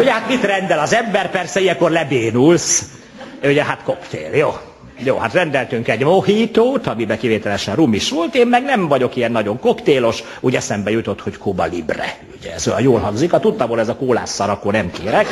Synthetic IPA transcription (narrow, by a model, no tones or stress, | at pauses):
uɟɛhat̪mit̪rɛnd̪ɛlɒzɛmbɛrpɛrsɛijɛŋkorlɛbeːnuls | uɟɛɦat̪ko̞kt̪ḛːljoː | joːhat̪rɛnd̪ɛlt̪yŋkɛɟmohiːt̪oːt̪ɒmibɛkiveːt̪ɛlɛʃɛnrumiʃʋo̞lt̪eːmːɛɡnɛɱvɒɟo̞kijɛnːɒɟo̞ŋko̞kt̪eːlo̞ʃ | uɟɛsɛmbɛjut̪o̞t̪ho̞ckʰubɒ̰lḭbrɛ̰ | uɟɛɛzøɒ̰joːlɦɒŋɡzikɒt̪ut̪ːɒmɦolɛzɒkoːla̰ːsːɒɾɒkoːnɛmkeːɾɛk